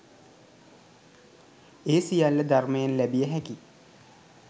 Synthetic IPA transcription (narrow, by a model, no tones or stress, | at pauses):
eːsijalːəd̪armejanlæbijəɦæki